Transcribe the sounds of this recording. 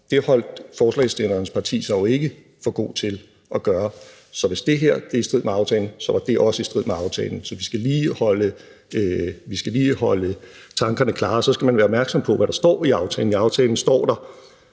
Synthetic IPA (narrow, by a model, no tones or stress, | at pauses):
d̥e̝hɒ̽l̰d̥fɒːslɛ̰ɪsd̥enɐnəspʰɑ̈t͡sʰḭːsɐjoe̝ɡ̥ə | fɒ̽ɡ̥o̝̰ːt͡sʰe̝l | ɒ̽ɡ̥ɶːɐ | sɒ̽ʋe̝sd̥e̝ɦeɐ̰d̥e̝isd̥ʁið̰ˠmeɑ̈ʊt͡sʰɛːln̩sɒ̽ʋɑ̈d̥e̝ʔɒ̽səisd̥ʁið̰meɑ̈ʊt͡sʰɛ̰ːln̩sɒ̽ʋisɡ̥æliːhɒ̽lə | ʋisɡ̥æliːhɒ̽lə | t͡sʰɑ̈ŋɡ̥ɐnəkʰlɑ̈ːsɒ̽sɡ̥æmænʋæːɐɒb̥̚mæɐɡ̥sɒ̽mpʰɒ̽ʋæɾ̥ɑ̈sd̥ɒ̰ːiɑ̈ʊt͡sʰɛ̰ːln̩iɑ̈ʊt͡sʰɛːln̩sd̥ɒ̰ːd̥ɑ̈